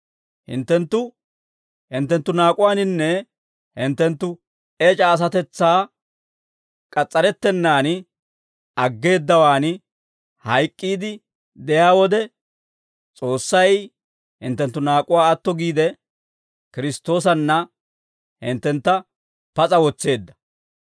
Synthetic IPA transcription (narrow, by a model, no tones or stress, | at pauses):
hɪ̰nt̪ːɛnt̪ːʊ | hɪnt̪ːɛnt̪ːʊnaːkʼʊwaːnɪnːɛ | hɪnt̪ːɛnt̪ːʊ | et͡ʃʼɐːs̬ɐt̪ɛt͡sːaː | kʼɐt͡sʼːɐɾɛt̪ːɛnːaːn | ɐɡːe̞ːd̪ːɐwaːn | hɐjkʼːiːd̪ɪ | d̪ɛjaːwɔd̪ɛ | t͡sʼo̞ːsːɐj | hɪ̰nt̪ːɛnt̪ːʊnaːkʼʊwaːɐt̪ːɔɡiːd̪ɛ | kɪɾɪst̪ːo̞ːs̬ɐnːɐ | hɪnt̪ːɛnt̪ːɐ | pɐt͡sʼɐwɔt͡sːe̞ːd̪ːɐ̥